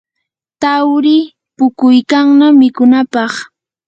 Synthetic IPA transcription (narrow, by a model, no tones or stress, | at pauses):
t̪awɾɪ | pʊkʊjkaŋnamɪkʊnapɑχ